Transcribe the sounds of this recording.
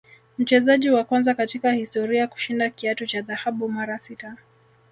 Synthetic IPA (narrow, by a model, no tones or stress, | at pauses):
m̩t͡ʃɛzaʄiwakwanzakatikahistɔɾiaku̥ʃindakiatut͡ʃaðahaɓumaɾasita